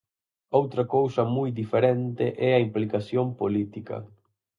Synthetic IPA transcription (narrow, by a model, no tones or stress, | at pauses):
owt̪ɾɐkowsɐmujd̪ifeɾent̪ɪʔɛɐimplikasjompolit̪ikɐ̰